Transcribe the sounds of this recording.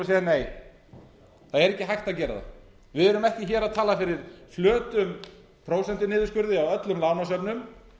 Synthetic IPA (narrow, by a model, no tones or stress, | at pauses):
seːjaneːj | θaðɛɾɛhcːɪɦajht̪aðcɛːɾɪ̰ða̰ | vɪðɛɾʏmɛhcɪçɛːɾaðt̪ʰaːlafɪɾɪɾ̥flœːt̪ʏm | pʰɾoːwsɛn̥t̪ɪnɪːðʏ̥skʏɾðɪawœt̪lʏmlaːwnasœpnʏm